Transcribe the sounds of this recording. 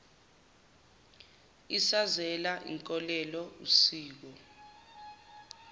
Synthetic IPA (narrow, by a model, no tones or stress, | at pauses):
isazɛlaʔḭŋkʼɔlɛlɔusiːk̬ɔ